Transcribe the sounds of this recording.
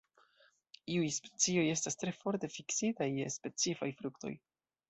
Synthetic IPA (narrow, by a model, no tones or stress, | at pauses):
iujspe̥t͡sio̞je̞stastɾe̞fo̞ɾte̞fiksitajespe̞t͡sifajfɾukto̞̰j